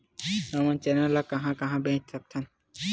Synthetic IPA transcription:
nɔmant͡ʃɛnɛlakãɦãkãɦãbẽt̪ʰak̚t̪ʰan

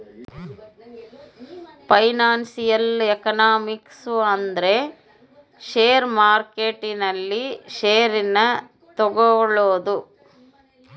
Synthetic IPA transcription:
pɐjnaːnsijɐlekɐnaːmiksuɐnd̪ɐɾe̞ | ʃeːɾmaːɾkeʈːinɐlːiʃeːɾinɐ | t̪ɔɡɔɭoːd̪u

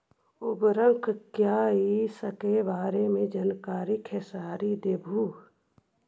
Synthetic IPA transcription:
ʊbɾə̃ŋkʰkjaːɦisəkebaːɾemẽd͡ʒənkaːɾikʰesaːɾid̪eːbʱuː

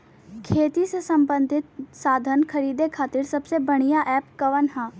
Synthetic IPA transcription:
kʰeːt̪isesɐ̃mbə̃nd̪ʱɪt̪saːd̪ʱənkʰɐɾiːd̪ekʰaːt̪iɾsɐbsebɐɽ̃ijaʔɛːpkɐʋənɦãː

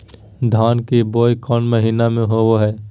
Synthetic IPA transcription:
d̪ʱaːnkeboːjkɔːnməɦiːnamẽɦooɦɛː

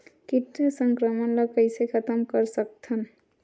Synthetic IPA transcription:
kiʈːasʌŋkɾɔmɔnlɔkajsekʰʌt̪ɔmkɔɾsʌk̚t̪ʰɔn

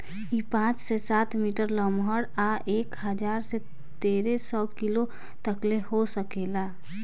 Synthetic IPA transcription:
ipãt͡ʃsesat̪miʈəɾləmɦəɽaʔeːkɦəd͡ʒaɾse | t̪eɾesɔkilo | t̪əklehosəkela

